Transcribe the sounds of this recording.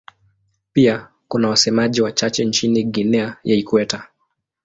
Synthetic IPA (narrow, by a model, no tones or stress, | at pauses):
pia | kunawasɛmaʄiwat͡ʃat͡ʃɛnt͡ʃiniɠinɛajaikwɛta